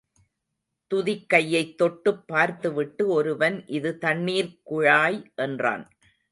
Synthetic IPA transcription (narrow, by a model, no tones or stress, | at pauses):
t̪ʊðɪkːɐjːɐɪt̪ːɔʈːɯpːaːɾt̪ɯʋɪʈːɯɔɾɯʋɐnʔɪðɯt̪ɐɳmiːɾkʊɻaːjʔɛndra̰ːn